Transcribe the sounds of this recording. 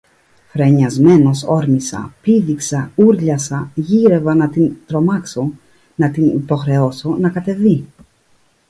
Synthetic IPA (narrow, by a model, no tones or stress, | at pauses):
fɾe̞ɲɐzme̞no̞so̞ɾmisɐ̰piðiksɐuɾʎɐsɐʝiɾe̞vɐnɐt̪int̪ɾo̞mɐkso | nɐt̪inipo̞xɾe̞o̞sonɐkɐt̪e̞vi